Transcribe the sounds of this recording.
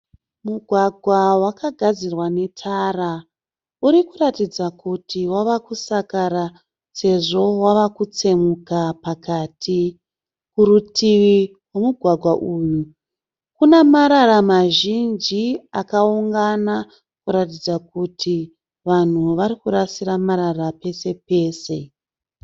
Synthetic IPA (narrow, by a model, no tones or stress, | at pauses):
muɡʱwaɡʱwawakaɡʱad͡zirwane̞tʰara | uɾikuratid͡zakutʰiwaʋakusakaɾa | se̞ʐo̞waʋakut͡se̞mukapakaːtʰi | kuɾutʰiwi | we̞muɡʱwaɡʱwaʔuːju | kunemaɾaɾamaʒind͡ʒiakauŋɡana | kuɾatid͡zakutʰi | ʋan̤uʋaɾikuɾasiɾamaɾarape̞se̞pe̞ːse̞